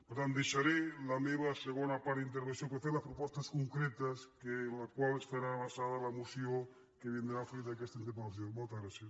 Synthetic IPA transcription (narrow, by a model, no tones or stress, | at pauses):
poɾt̪ant̪iʃaɾelameβaseɣonapaɾint̪̬eɾβenθjoŋkweθeɾlaspɾopwost̪askoŋkɾet̪askelakwalest̪aɾaβasaðalamusjo | keβjend̪ɾafɾiðaekest̪aint̪̬epaaθjoŋmolt̪azɣɾaθjas